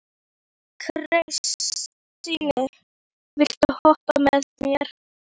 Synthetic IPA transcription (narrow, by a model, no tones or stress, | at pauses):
kʰrejsː | inɪ | vɪl̥t̪ahɔht̪amɛðmjɛɾ̥